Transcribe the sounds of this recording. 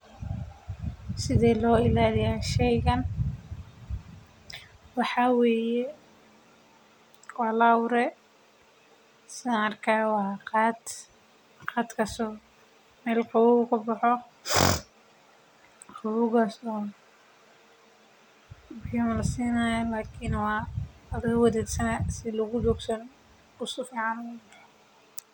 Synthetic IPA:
sɪðɛːlɔːɪlaːlɪjaːʃɛjɣɐn | wɑħɑweːjɛ | wɑːlawɾɛ | sɪnɐrkʰawɑqɑːd̪ | qɑːd̪kʰɐsɔː | mɛːlqɑwʊɣʊkʰʊbɑħɔ | qɑwʊɣasɔː | bamɐlɐsiːnaːjɐlaːkʰɪnwɑːɐðɪɣɐwɐðɛːd̪sɐnasɪlʊɣʊd͡ʒɔːɡsɐn | ʊsɔfiːʕɑnwʊbħɔ

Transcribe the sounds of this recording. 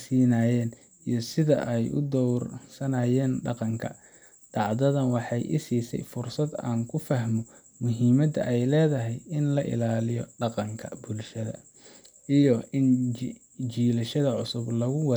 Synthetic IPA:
siːnaːjɛːn | ijɔsɪðɐ̰ʔɛjʔʊ̰d̪ɔwrsɐnaːjɛːnɖɑqɑŋkʰɐ̰ | d̪̥ɑʕd̪ɐðɐnwɑħɑjʔɪ̰siːsɛ̰jfʊrsɐd̪a̰ːŋkʰʊfɐɦmɔ | mʊɦiːmɐd̪ɐʔɛjlɛːðɐɦɛjɪnlɐʔɪ̰laːlɪjɔɖɑqɑŋkʰɐ̰bʊlʃɐðɐ̰ | ijɔɪn | t͡ʃiːlɐʃɐðɐʕʊsʊblɐɣʊwɑ

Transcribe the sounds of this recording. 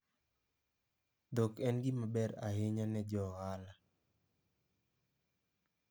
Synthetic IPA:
d̪okɛnɡimabɛɾa̰ɦɪɲanɛd͡ʒɔhala

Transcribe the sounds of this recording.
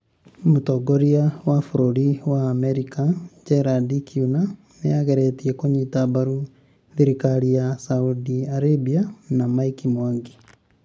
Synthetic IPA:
mutoɡoɾiawafuɾoɾiwaːmɛɾikad͡ʒɛɾadikiuna | nejaɣeɾetiɛkoɲitabaɾu | ðiɾikaɾijasaudiaɾebianamaikimaŋɡi

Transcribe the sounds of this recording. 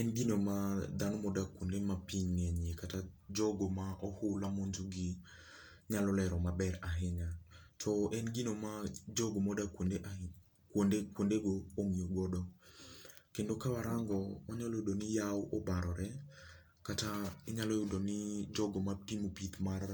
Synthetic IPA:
ɛnɡinomad̪anɔmɔdakwondemapiɲŋeɲekatad͡ʒɔɡomaʔɔhʊlamoɲd͡ʒoɡi | ɲalɔlɛɾɔmabɛɾaɦɪɲatʰɔʔɛnɡinomad͡ʒɔɡomɔdakwondeʔa | kwondekwondeɡooŋioɡɔdɔ | kendokawaɾaŋɡɔmaɲalɔjʊdonɪjawʔɔbaɾɔɾɛ | kataɪɲalɔjʊdonɪd͡ʒɔɡomatimopit̪mar

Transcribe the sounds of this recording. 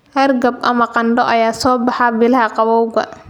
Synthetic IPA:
hɐrɡɐbʔɐmɐqɑnɖɔʔɐjaːsɔːbɑħɑbɪlɐɦɐqɑβɔwɡɐ̰

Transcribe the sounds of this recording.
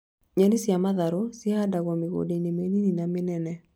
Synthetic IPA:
ɲanisɪamaðaɾosɪaadaɣɔmɪɣo̰denemenininamɪnɛnɛ

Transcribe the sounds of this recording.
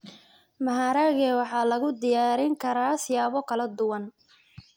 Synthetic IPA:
mɐɦaːɾaːɣɛːwɑħɑːlɐɣʊd̪ɪjaːɾɪŋkʰɐɾaːsɪjaːβɔkʰɐlɐd̪ʊwɐn

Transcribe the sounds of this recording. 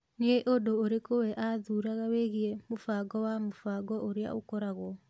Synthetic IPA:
neeʔodoːɾekowɛʔaðuːɾaɣaweɣiɛmofaɡɔwamofaɡɔʔoɾea̰okɔɾaɣɔ

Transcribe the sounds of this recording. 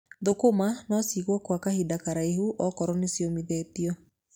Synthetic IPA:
ðokomanɔsiɣwɔkwakahidakaɾaeɦuʔɔkɔɾɔnesjɔmiðɛːtiɔ

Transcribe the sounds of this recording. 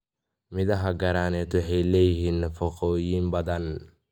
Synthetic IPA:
mɪðɐɦɐɡɐɾaːnɛːt̪wɑħɛjlɛːjɪɦiːnːɐfɐqɔːjiːmbɐðɐn

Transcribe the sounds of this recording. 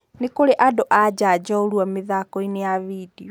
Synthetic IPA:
nekoɾeʔadoʔad͡ʑad͡ʑɔoɾuameðakɔinejavidiɔ

